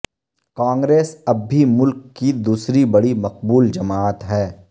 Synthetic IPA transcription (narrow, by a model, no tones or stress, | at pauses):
kãːŋɡɾeːsɐbʱːimʊlkːid̪uːsɾibɐɽimɐq̚buːld͡ʒɐmaːt̪ɦɛː